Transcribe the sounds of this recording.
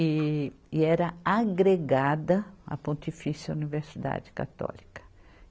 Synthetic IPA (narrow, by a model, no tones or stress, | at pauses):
ɪ | ɪɛɾɐaɡɾeɡad̪ɐɐ̰põnt̪ifisjɐuniveɾsid̪a̰d͡ʒɪ̥ka̰t̪ɔ̰likɐ̥